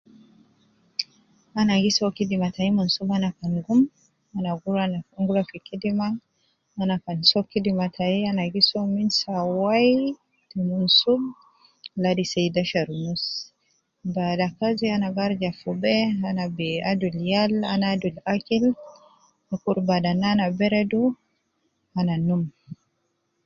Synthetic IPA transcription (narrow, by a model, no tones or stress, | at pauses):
anaɡisɔkidimataimunsubanakanɡum | anaɡuɾanaŋɡuɾafikidiman | anakansɔkːidimatʰaianaɡisɔminsawaj | tumunsub | ladisajdaʃaɾnus | badakazianaɡaɾd͡ʒafubɛanabɛaduljala̰nadulakil | nikuɾbadananabɛɾɛdu | ananum